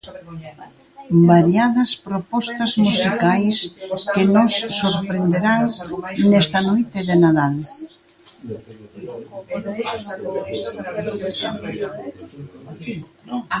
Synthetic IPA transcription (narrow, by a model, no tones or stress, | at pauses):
baɾjaðɐspɾopɔst̪ɐzmusikajskɪnosːoɾpɾend̪eɾaŋnɛst̪ɐnojt̪ɪðenaðal